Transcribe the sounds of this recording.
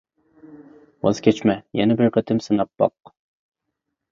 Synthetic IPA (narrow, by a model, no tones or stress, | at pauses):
wɑ̰zkʲʰɛt͡ʃmɛjɛnɛbɪɾqʰət̪ʰɪmsɨnɑp̚b̥ɑ̰q